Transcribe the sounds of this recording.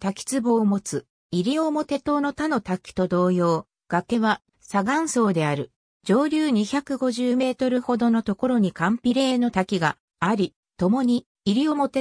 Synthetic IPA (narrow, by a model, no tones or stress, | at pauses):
t̪akʲi̥t͡sɨbo̞ːmo̞t͡sɨ | iɾʲio̞mo̞t̪e̞t̪o̞ːno̞t̪ano̞t̪akʲi̥t̪o̞d̪o̞ːjo̞ː | ɡ̥ake̞βa | saɡãɰ̃so̞ːd̪e̞aɾɯ̟ | d͡ʑo̞ːɾʲɨːɲ̟içakɯ̟ɡo̞ʑɨːme̞ːt̪o̞ɾɯ̟ho̞d̪o̞no̞t̪o̞ko̞ɾo̞ɲ̟ikãmpʲiɾe̞ːno̞t̪akʲiɡa | aɾʲi | t̪o̞mo̞ɲ̟i | iɾʲio̞mo̞t̪e̞